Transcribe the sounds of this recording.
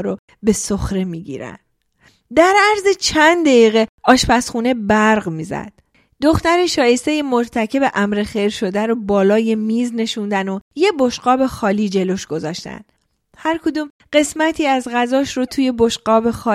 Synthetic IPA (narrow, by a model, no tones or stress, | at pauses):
ɾo | be̞soxɾe̞miːɟḭːɾæ̰nd | d̪æɾæɾzet͡ʃʰænd̪d̪eiːɣeɒːʃpæsχune̞bæɾɣmiːzæ̰d̪̥ | d̪̥oxt̪æɾeʃɒːje̞st̪e̞jemoɾt̪ʰæcʰe̞beʔæmɾe̞xejɾʃo̞d̪æɾobɒːlɒːje̞miːzne̞ʃund̪ænoje̞bo̞ʃɢɒːbe̞xɒːliːd͡ʒe̞lo̞ʃɡ̥o̞zɒːʃt̪æ̰nd̪ | hæɾkʰod̪uːm | ɢe̞smæt̪ʰiːæzɣæzɒːʃɾot̪ʰuːje̞bo̞ʃɢɒːbe̞xɒː